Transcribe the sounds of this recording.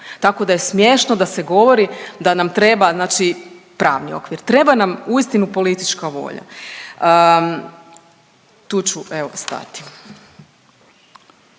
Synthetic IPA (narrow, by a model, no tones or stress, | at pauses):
t̪ako̞d̪aje̞smje̞ʃnod̪ase̞ɡo̞ʋo̞ɾid̪anamt̪ɾe̞baznaːt͡ʃipɾa̰ːʋnio̞̰kʋiɾt̪ɾe̞banamuist̪inupo̞lit̪it͡ʃkaʋo̞̰ʎa̰ə | t̪uːt͡ɕuʔe̞ʋo̞st̪a̰t̪i̥